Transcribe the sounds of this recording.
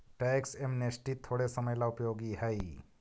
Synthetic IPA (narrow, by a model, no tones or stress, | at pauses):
ʈɛksemnesʈit̪ʰːoɽesəməjlaʊpjoɡiɦəj